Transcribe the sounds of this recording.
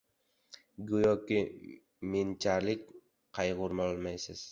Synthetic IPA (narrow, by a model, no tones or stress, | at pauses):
ɡojɒkʲɪ | ment͡ʃʰaɾlɪk̚ʲ | qʰɑjʁʊɾmɒlˠmajsɪz̥